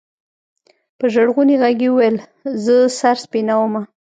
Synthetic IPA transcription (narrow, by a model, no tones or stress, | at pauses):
pəʒaɽɣuniɣaɡiwuwel | zəsaɾspinawəma